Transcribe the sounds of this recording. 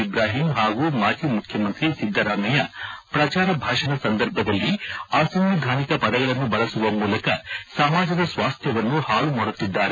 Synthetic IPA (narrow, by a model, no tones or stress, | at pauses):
ibɾaːɦimɦaːɡuːmaːd͡ʒiːmukʰjɐmɐnt̪ɾisid̪ʱːɐɾaːmɐjɐpɾɐt͡ʃaːɾɐbʱaːʂɐnɐsɐnd̪ɐɾbʱɐd̪ɐlːiaːsɐmʋid̪ʱaːnikɐpɐd̪ɐɡɐɭɐnːubɐɭɐsuʋɐmuːlɐkɐsɐmaːd͡ʒɐd̪ɐsʋaːst̪ʰjɐʋɐnːuhaːɭumɐɽut̪ːid̪ːaːɾe